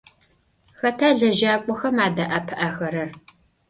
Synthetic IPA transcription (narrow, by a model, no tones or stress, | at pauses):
xɐtʰaːɮɐʒaːkʷʼɔxɐmaːdɐʔapʰɐʔaxɐɾɐr